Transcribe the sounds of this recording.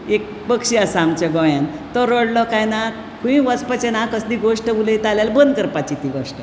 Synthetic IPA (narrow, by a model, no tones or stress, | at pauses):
ek̚ | pəkɕiəsamt͡ɕeɡɔ̃jãnt̪ɔɾəɽlɔkajna | kũĩʋəspət͡ɕenakəsd̪iɡoʂʈəʋuləjt̪aljalbənd̪̚kəɾpat͡ɕit̪iɡoʂʈə